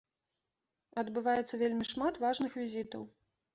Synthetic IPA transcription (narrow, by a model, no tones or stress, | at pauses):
ɐd̪bɨvajɛt̪sːɐvʲelʲmʲiʂmat̪vaʐnɨxvʲizʲit̪ɐ̰w